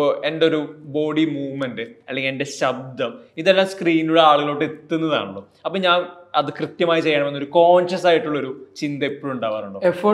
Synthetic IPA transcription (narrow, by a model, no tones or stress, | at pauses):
endeo̞ɾubo̞ːɽimuːʋmendɨɐlːeŋɡiende̞ɕɐb̚d̪ʱɐmiðelːaːmskriːnuɽeaːɭuɣɐɭo̞ːʈːeet̪ːunːɐða̰ːɳuɭːoː | ɐpːoːɲaːnɐðɨkrɨt̪jɐmaːjit͡ɕe̞jːɐɳɐme̞nːo̞ɾuko̞ːnɕɐsaːjiʈːuɭːo̞ɾut͡ɕind̪ɐipːoːɭuɳɖaːʋɐruɳɖoefo